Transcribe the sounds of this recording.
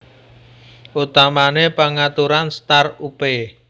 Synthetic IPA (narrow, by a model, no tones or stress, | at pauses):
ʔut̪amanepaŋat̪uɾanst̪arupe